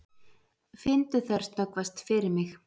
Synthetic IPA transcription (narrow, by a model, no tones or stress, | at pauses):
fɪnt̪ʏθɛɾ̥st̪nœkvast̪fɪɾɪɾmɪx